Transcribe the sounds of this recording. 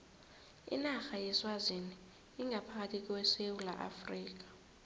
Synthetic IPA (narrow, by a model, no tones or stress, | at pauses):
ḭnaxajɛswaziniː | ŋɡʱapʰak̬atʰik̬ʼɔwɛsewula̰ʔa̰friːk̬ḁ